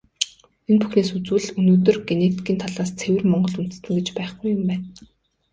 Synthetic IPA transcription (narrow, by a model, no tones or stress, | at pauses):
enpuxneːsut͡sɘ̆ɮɵnoːt̪̬ɵ̆rɡenet̪ɡʲiːnt̪ʰaɮaːst͡sʰewɘ̆rmɔɴɢɞ̆ɮun̥t̪̆st̪ɘ̆ŋɡet͡ɕpæːχɡujʊmpæːn